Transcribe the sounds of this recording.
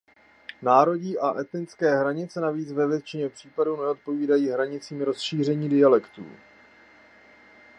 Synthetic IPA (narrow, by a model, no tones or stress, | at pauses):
naːɾo̞ɟiʔaʔɛt̪nɪt͡skɛːɦɾaɲɪt͡sɛnaviːt͡svɛvjɛt̪t͡ʃɪɲɛpr̥iːpadunɛo̞t̪̚po̞viːdajiːɦɾaɲɪt͡siːmɾo̞sʃiːr̝ɛɲiːdɪalɛkt̪ṵː